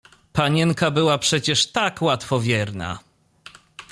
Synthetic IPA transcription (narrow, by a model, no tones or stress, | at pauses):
paɲɛŋkabɘwapʂɛt͡ɕɛʂt̪akwat̪fɔvʲjɛɾna̰